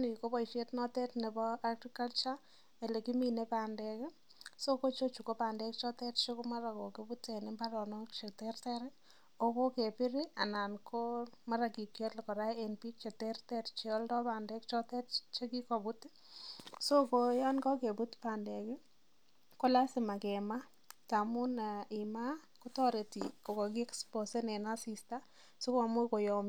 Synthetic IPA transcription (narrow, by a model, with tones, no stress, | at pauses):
ni˨ko˦pɔ˨ʃe˦tnɔ˦tɛ˦tne˨bɔ˦a˦ɡrika˦lt͡ʃa˦ | e˨le˨ki˦mi˨ne˦pa˨ndɛ˨kɪ˦ | so˦ko˦t͡ʃo˦t͡ʃu˨ko˦pa˨ndɛ˦k̚t͡ʃɔ˦tɛ˦tt͡ʃe˦kuma˦ɾa˨ko˨ke˦bu˦te˨nɪ˦mba˦ɾɔ˨nɔ˦kt͡ʃe˨tɛ˦rtɛ˦ɾɪ | o˦ko˦ke˨pɪ˦ɾi˦a̰˨na˨nkʰo˦ma˦ɾa˨ki˨kjo˦tlkɔ˨ɾa˦e˨npi˦t͡ʃe˨tɛ˦rtɛ˦ɾt͡ʃɔ˦ldɔ˦pa˨ndɛ˦kt͡ʃɔ˦tɛ˦tt͡ʃe˦ki˦ko˨bu˦t | so˦ko˨ja˦nkɔ˦ke˨bu˦tpa˨nde˨kɪ˦ | ko˦la˦sɪ˨ma˨ke˨ma˦ | ka˨mu˦na˨i˨ma˦ | ku˦tɔ˦ɾe˨tiko˨kɔ˨ki˦ɛ˦kspo˨se˦ne˨na˦si˨sta˦ | su˦ka˨mʊ˦ko˨jɔ˨m